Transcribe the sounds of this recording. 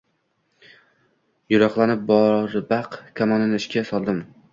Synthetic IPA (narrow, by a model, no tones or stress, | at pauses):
jʊɾɒqlˠanɪp̚bɒɾbaqkʲʰamɒnɪnɪʃkʲasɒlˠd̪ɪm